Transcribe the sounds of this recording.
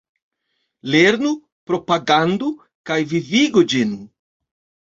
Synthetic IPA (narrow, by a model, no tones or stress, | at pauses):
leɾnu | pɾo̞paɡandu | kajviviɡud͡ʒin